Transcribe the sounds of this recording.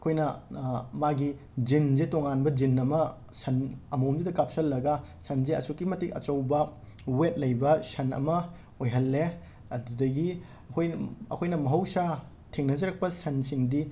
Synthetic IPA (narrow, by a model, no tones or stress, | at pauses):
ɐkʰojnɐmaɡi | d͡ʒinzetoŋanbɐd͡ʒinːɐmɐ | sɐnɐmɐwnbidɐkap̚sɐlːɐɡɐsɐnzeɐ̰sukːimɐtikɐ̰t͡ʃɐwbɐ | wet̚lɐjbɐsɐnɐ̰mɐ | ojɦɐlːe | ɐdudɐɡi | ɐkʰojɐ̰kʰojnɐmɐɦɐwsa | tʰiŋnɐzɐɾɐk̚pɐsɐnsiŋdi